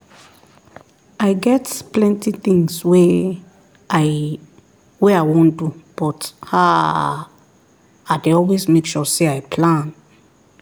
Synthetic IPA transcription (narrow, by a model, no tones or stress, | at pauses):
aɪɡɛtplɛ̃ntiθĩŋswe | a | weaɪwõndub̥ɔtha | aɪdeɔlwezmekʃɔseaɪpʰlãn